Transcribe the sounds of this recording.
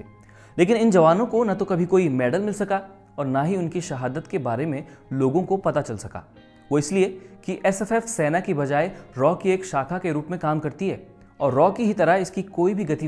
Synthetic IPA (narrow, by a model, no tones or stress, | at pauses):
leːkɪnɪnd͡ʒɐʋaːnõkonɐt̪okɐbʱikoːimɛːɖəlmɪlsɐka | ɔːɾnaɦiʊnkiʃɐɦaːd̪ət̪kebaːɾemẽloːɡõkopɐt̪at͡ʃɐlsɐka̰ː | ʋoːɪsliekiʔɛsɛfɛːfseːnakibɐd͡ʒaːeɾɔːkieːkʃaːkʰakeɾuːpmẽkaːmkɐɾt̪iɦɛː | ɔːɾːɔːkiɦit̪ɐɾaɪskikoːibʱiɡɐt̪i